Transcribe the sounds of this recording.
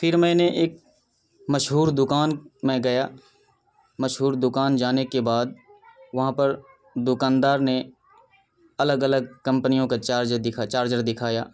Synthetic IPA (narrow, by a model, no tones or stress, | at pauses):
pʰɪɾmɛ̃ːneʔeːk̚ | mɐʃɦuːɾd̪ʊkaːnmẽɡɐjaː | mɐʃɦuːɾd̪ʊkaːnd͡ʒaːnekebaːd̪̚ʋɐɦãpɐɾ | d̪ʊkãːnd̪aːɾne | ɐləɡələɡ̚kɐ̃mpnijõkat͡ʃaːɾd͡ʒəd̪ɪkʰat͡ʃaːɾd͡ʒəɾd̪ɪkʰaːjaː